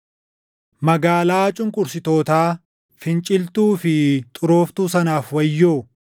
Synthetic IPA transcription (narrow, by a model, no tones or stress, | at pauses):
mɐɡaːlaːt͡ʃʼʊŋkʼʊɾsɪt̪o̞ːt̪aː | fɪnt͡ʃʼɪlt̪uːfɪt̪ʼʊɾo̞ːft̪uːsɐnaːfwɐjːoː